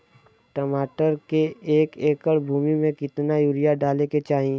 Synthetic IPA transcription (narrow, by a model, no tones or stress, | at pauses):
ʈɐmaːʈəɾkeeːkeːkəɽbʱuːmimẽkɪt̪najuːɾijaɖaːleket͡ʃaːɦĩ